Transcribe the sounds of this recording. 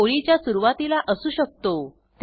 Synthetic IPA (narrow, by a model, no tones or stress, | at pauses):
oɭit͡ɕjasuɾuʋat̪ilaʔəsuːɕək̚t̪o | t̪